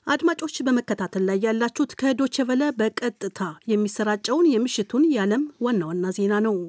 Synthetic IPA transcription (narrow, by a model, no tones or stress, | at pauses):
ʔad̪mat͡ʃʼo̞t͡ʃːbəməkːət̪ʰat̪ʰəlːajːalːat͡ʃːut̪kʰəɨd̪o̞t͡ʃːɛvələbəkʼət̪ʼːɨt̪ʰajɛmːisəɾat͡ʃʼːɛwnjɛmɨʃːɪt̪ʰunjaləmwanːawanːaze̞nanəw